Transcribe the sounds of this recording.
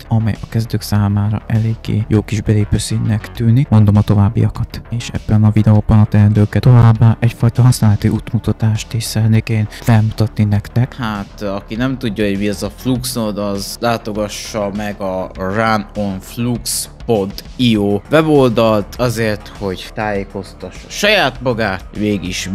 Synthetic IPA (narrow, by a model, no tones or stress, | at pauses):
t̪ɒmɛ̰jɒkɛzd̪øːksaːmaːɾɒ̰ʔɛleːɡːḛːjoːkiʒbɛleːpøːsinnɛkt̪yːnikmo̞nd̪o̞mɒt̪o̞vaːbːḭɒkɒt̪eːʃɛ̰bːɛnɒvid̪ɛoːbɒnɒt̪ɛɛnd̪øːkɛt̪o̞vaːbːaːʔɛcfɒjt̪ɒɦɒsnaːlɛt̪iʔut̪mut̪ɒt̪aːʃt̪eːʃsɛɛt̪neːkeːnlɛmut̪ɒt̪ninɛkt̪ɛkhat̪ɒkinɛmt̪uɟːɒɦo̞ɟmiɛzɒfluksnod̪ɒzlaːt̪o̞ɡɒʃːɒmɛɡɒranonflukspont̪ioːvɛbo̞ld̪ɒlt̪ɒzeːrt̪ho̞ɟt̪aːjeːko̞st̪ɒʃʃɒjaːt̪mɒɡaːmeːɡiʃ